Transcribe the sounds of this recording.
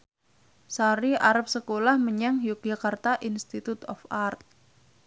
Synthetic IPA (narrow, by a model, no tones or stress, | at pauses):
saɾiʔaɾap̚səkolahməɲaŋjuk̚d͡ʒakart̪aʔinst̪it̪ut̪ɔ̰fart̪̚